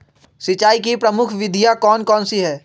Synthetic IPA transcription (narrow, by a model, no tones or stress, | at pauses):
sɪt͡ʃaːik̬ipɾɐmʊkʰʋɪd̪ʱijakɔːnkɔːnsiɦɛː